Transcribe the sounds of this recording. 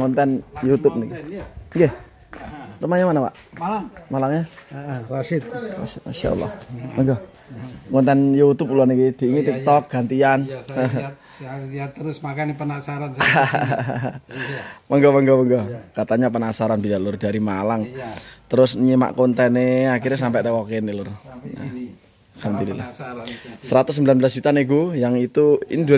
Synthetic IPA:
ŋɔnt̪ɛnjut̪ʊp̚nikiŋɡe | təmaɲamanapa̰ʔ | malaŋmalaŋɲarasɪt̪̚ma̰sɪt̪̚maʃa̰ʔɔ̰lːa̰hməŋɡɔ | kɔnt̪ɛnjut̪ʊp̬uluanikid̪̥i̤iŋit̪ik̚t̪ɔk̚ɡ̥a̤nt̪ian | jat̪əɾʊsmakanepənasaɾans | məŋɡɔməŋɡɔməŋɡɔkat̪aɲapənasaɾanbilaʔlʊrd̥aɾimalaŋt̪əɾʊsɲima̰ʔkɔnt̪ɛneakiɾas̬ampɛʔt̪ekɔkenelʊrna̰ | hamd̪ulila̰h | səɾat̪ʊsəmbilanblasdd͡ʒut̪aneɡujaŋit̪uḭnid̪u

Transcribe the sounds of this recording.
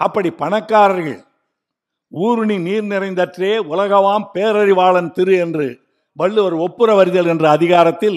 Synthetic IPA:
ʔɐpːɐɽipɐɳɐkːaːɾɐɾɣɐ̰ɭ | uːɾɯɳiniːɾnɪrɐɪnd̪ɐʈreːʊlɐɣɐʋaːmpeːɾɐɾɪʋaːɭɐnt̪ɪɾɯɛndrɯ | ʋɐɭːɯʋɐɾɯɔpːɯɾɐʋɐɾɪðɐlɛndrɐɐðɪɣaːɾɐt̪ːɪl

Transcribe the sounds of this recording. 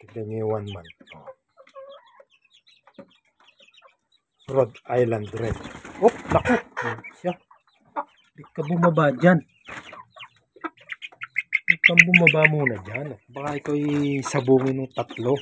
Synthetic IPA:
kɛd̪ɛmɛwanmant̪̚o | ɾod̪ajland̪ɾɛdoplɐkot̪̚ʃa | bɪɡkːɐbʊmɐbad͡ʒan | bɪpɐmbʊmɐbamuːnɐd͡ʒanbɐkaɪkoɛsɐbuːŋɪnʊŋt̪ɐt̪lo

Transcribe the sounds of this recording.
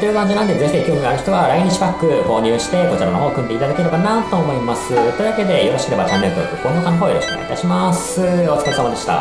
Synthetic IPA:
t̪ojɯ̟kãɲ̟d͡ʑinãnd̪ezeçid̪ekʲo̞ːɲiaɾɯ̟çi̥t̪o̞βaɾaiɲ̟iɕi̥pakːɯ̟ko̞ːɲ̟ɨ̟ːɕi̥t̪e̞ko̞t͡ɕiɾa̰no̞ɦoːkɯ̟nd̪e̞it̪ad̪akʲeɯnokanat̪o̞ːmo̞imasɨt̪o̞i̟βake̞d̪e̞jo̞ɾoɕi̥kɯɾe̞bat͡ɕanːe̞ɾɯt̪o̰kɯ̟kːõŋɡokanoɦoːiɾoɕi̥kɯn̰iit̪a̰ɕimas | ɨo̞t͡sɨ̥kaisamad̪e̞ɕi̥t̪a̰

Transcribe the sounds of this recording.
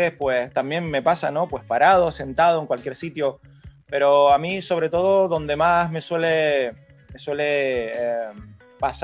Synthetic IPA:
espwe̞st̪ambje̞ŋme̞pasano̞pwe̞spaɾað̞o̞se̞nt̪að̞oe̞ŋkwalkjeɾsit̪jo̞ | pe̞ɾo̞amiso̞β̞ɾe̞t̪o̞ð̞o̞ðo̞nd̪e̞mazme̞swe̞le̞ | me̞swe̞le̞ | pas

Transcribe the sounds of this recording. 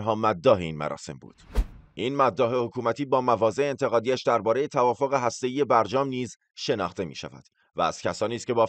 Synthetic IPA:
ɦɒːmæd̪ːɒːɦeiːnmæ̰ɾɒ̰ːse̞̰mbṵːd̪̥ʔiːnmæd̪ːɒːɦe̞hokʰuːmæt̪ʰiːbɒːmævɒːze̞ʔeːnt̪ʰe̞ɣɒːd̪iːæʃd̪æɾbɒːɾejet̪ʰævɒːfo̞ɣe̞ɦæst̪e̞iːje̞bæɾd͡ʒɒːmniːz | ʃe̞nɒ̰ːχt̪e̞mḭːʃæ̰væ̰d̪̥ | vææ̰z̥cʰæsɒːniːskʲe̞bɒː

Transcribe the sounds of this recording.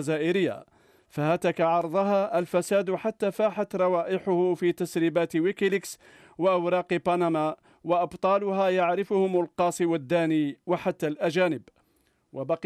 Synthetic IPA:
zaːʔɪɾɪjːa̰ | fahaːt̪akaʕɑɾˤd̪ˤɑɦaʔalfæsaːd̪ħat̪ːaːfaːħat̪ɾˤɑwaːʔɪħʊhʊfiːt̪asɾiːbaːt̪wɪkɪlɪks | waʔawɾˤɑːqbɑnama | wɑʔɑbt̪ˤɑːlʊhajaʕɾɪfʊhʊmʊlqɑːsˤiwad̪ːaːniːwaħat̪ːalʔæʒaːnɪb | wʔabɑq

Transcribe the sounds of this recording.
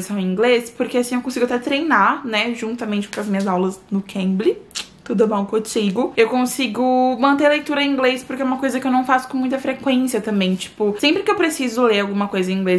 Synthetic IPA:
isɐ̃w̃ĩŋɡlespoɾkeasĩewkõsiɡʊat̪ɛt̪ɾejnaɾnɛʒũnt̪ɐmẽnt͡ʃɪ̥kõɐzmĩɲɐzawlɐsnʊkʰẽmblɪt̪ud̪ʊbɐ̃w̃kõt͡ʃiɡʊewkõsiɡʊmɐ̃nt̪̬eɾlejt̪uɾɐẽĩɡlespʊɾkeɛumɐkojzɐkɪewnɐ̃w̃fasʊ̥kõmũj̃t̪ɐfɾekwẽsiɐt̪ɐ̃mbẽj̃t͡ʃi̥pʊsẽmpɾɪkɪewpɾesizʊleɾawɡũmɐkojzɐ̃ĩɡle

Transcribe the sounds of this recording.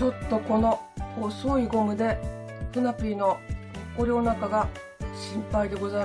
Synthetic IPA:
o̞t̪ːo̞ko̞no̞osoiɡo̞mɯ̟d̪e̞ | ɸɯ̟napʲino̞koɾʲo̞ːnakaɡa | ɕĩmpaid̪e̞ɡo̞za

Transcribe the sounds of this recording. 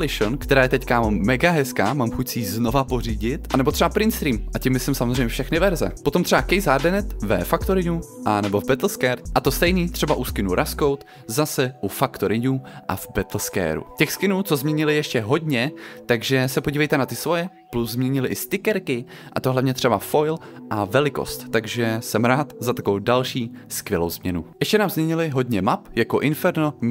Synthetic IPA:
lɪʃonkt̪ɛɾaːjɛt̪ɛckamːɛɡaɦɛskaːmaːmxucsɪiːzno̞vaporiːɟɪt̪ʔanɛbot̪r̥ɛbapɾɪnt̪st̪ɾiːmʔacɪmːɪslɪmsamozr̝ɛjmɲɛfʃɛxnɪvɛɾzɛ̰po̞t̪omt̪r̥ɛbakɛjzaɾdɛnɛt̪vɛ̰fakt̪oɾɪɲuʔanɛbo̞vbɛt̪l̩skɛːɾtʔat̪o̞st̪ɛjniːt̪r̥ɛbaʔuskɪnuɾʔaskowt̪ | zasɛʔufakt̪oɾɪɲuʔa̰vbɛt̪l̩skɛ̰ːɾṵcɛxskɪnuːt͡sozmɲɛɲɪlɪjɛʃcɛɦo̞dɲɛt̪aɡʒɛsɛpo̞ɟiːvɛjt̪ɛnat̪ɪsvo̞jɛ | pluzzmɲɛɲɪlɪʔɪst̪ɪkɛɾkɪ | ʔa̰t̪oɦlavɲɛt̪r̝̥ɛbafo̞jlʔavɛlɪko̰st̪ːaɡʒɛsɛmɾaːt̪zat̪akovowdalʃiːskvjɛlowzmɲɛnujɛʃcɛnaːmzmɲɛɲɪlɪɦo̞dɲɛmapjakoʔɪnfɛɾno

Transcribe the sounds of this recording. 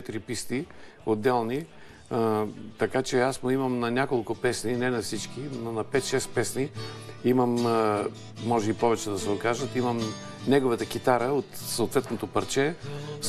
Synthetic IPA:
ɛt̪iɾipist̪i | od̪ːɛlˠni | t̪ɐkat͡ʃɛasmoimɐmnɐnʲakolˠkʊpɛsninɛnɐfsit͡ʃkinonɐpɛt̪ʃɛst̪pɛsniiməmː | ɔʒɛipɔvɛt͡ʃɛd̪ɐsɛokaʒət̪iməm | nɛɡovət̪ək̟it̪aɾəot̪soot̪vɛt̪not̪opɐɾt͡ʃɛ

